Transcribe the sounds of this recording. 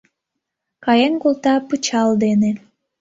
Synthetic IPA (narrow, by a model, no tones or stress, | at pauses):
kɑjenkolt̪ɑpɯt͡ɕɑld̪ene